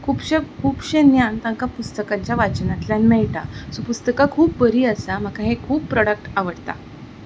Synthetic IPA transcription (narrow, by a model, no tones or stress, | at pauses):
kʰuːpɕekʰuːpɕenjant̪ãŋkapust̪əkãɲt͡ɕjaʋat͡ɕənãt̪ljãnmɛɭʈasupust̪əkakʰuːp̚bəɾiːəsam̤əkaɦekʰuːpːɾɔɽək̚ʈaʋəɽt̪a̰